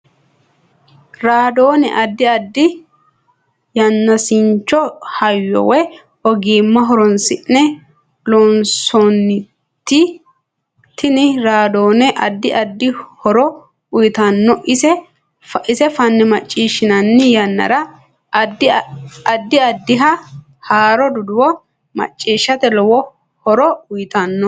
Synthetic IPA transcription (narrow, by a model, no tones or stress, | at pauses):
ɾaːd̪oːnɛ̰ʔɐd̪ːɪɐd̪ːɪ | jɐnːɐsɪɲt͡ʃːɔhɐjːɔ̰wɛ | ɔɡiːmːɐɦɔɾɔnsɪʔnɛ | loːnsɔnːɪ | t̪ːɪ | t̪ɪnɪɾaːd̪oːnɛʔɐd̪ːɪʔɐd̪ːɪhɔɾɔ | ʊjɪt̪ɐnːɔʔɪsɛ | fʔɪsɛfɐnːɪmɐt͡ʃʼːiːʃːɪnɐnːɪjɐnːɐ̰ɾɐ | d̪ | ɐd̪ːɪɐd̪ːɪɦɐ | haːɾɔd̪ʊd̪ʊwɔ | mɐ̰t͡ʃʼːiːʃːɐt̪ɛlɔwɔ | hɔɾɔʊjɪt̪ɐnːɔ